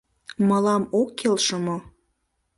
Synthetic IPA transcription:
məlɑmokːelʃəmo

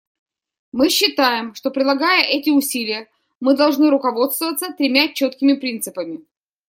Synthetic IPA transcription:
mɨɕːɪt̪ajɪmʂt̪o̞pɾʲɪd̪lˠɐɡajəʔɛtʲɪʊsʲilʲɪjə | mɨd̪ɐlˠʐnɨɾʊkɐvo̞t̪st̪vəvət̪sət̪ɾʲɪmʲat͡ɕo̞t̪kʲɪmʲɪpɾʲint̪sɨpəmʲɪ

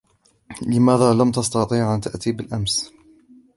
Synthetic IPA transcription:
lɪmaːðaːlamt̪ɑst̪ɑt̪ˤiːʕʔant̪aʔt̪iːbɪlʔams

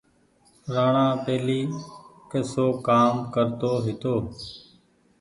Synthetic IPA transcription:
ɾaːɳ̃ãːpeːliːkeːsoːkaːmkəɾt̪oːɦɪt̪oː

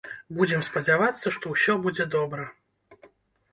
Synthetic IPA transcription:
bud͡zʲɪmspəd͡zʲavat̪sːəʂt̪ɔwsʲɔbud͡zʲɛd̪ɔbɾə

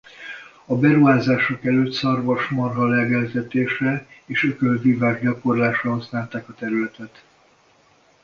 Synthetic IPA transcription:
ɒbɛɾuɦaːzaːʃokɛløːt̪sɒrvoʃmɒrɦɒlɛɡɛlzɛt̪eːʃrɛeːʃøkølvivaːɡɟɒko̞rlaːʃrɒɦɒsnaːlt̪aːkɒt̪ɛɾylɛt̪ɛt̪

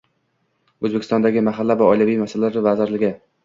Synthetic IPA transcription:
ɵzbekʲʰɪst̪ɒnd̪aɡʲɪmaɦalːavaɒjlʲavijmasalalɾɪvazɪɾlɪɡʲɪ

